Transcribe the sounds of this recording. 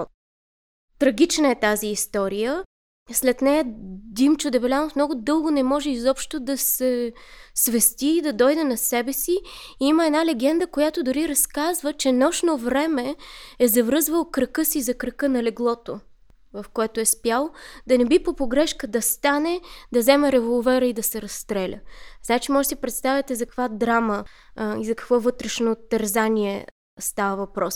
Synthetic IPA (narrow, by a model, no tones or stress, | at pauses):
t̪ɾɐɡ̟it͡ʃnəɛt̪aziːst̪ɔɾijə | slɛt̪nɛjəd̪imt͡ʃʊd̪ɛvɛlʲanofmnɔɡʊd̪ɤlˠɡʊnɛmɔʒɛizɔpʃt̪od̪ɐsɛsvɛst̪iːd̪ɐd̪ɔjd̪ɛnɐsɛbɛsiiiməɛnalɛɡ̟ɛnd̪əkojat̪od̪ʊɾiɾɐskazvət͡ʃɛnɔʃnovɾɛmɛɛzɐvɾɤzvəlˠəkɾəkɤsizɐkɾəkɤnɐlɛɡlˠɔt̪o | vɐfkoɛt̪oɛspjalˠd̪ɐnɛbipopoɡɾɛʃkəd̪ɐst̪anɛd̪ɐzɛmɛɾɛvolˠvɛɾəid̪ɐsɛɾɐst̪ɾɛlʲə̰znat͡ʃimɔʒɛsipɾɛt̪st̪avʲjət̪ɛzɐkɐkvad̪ɾamə | izɐkɐ̥kvɔvɤt̪ɾɛʃnot̪ːɐɾzanʲiɛ | st̪avəvɐpɾɔs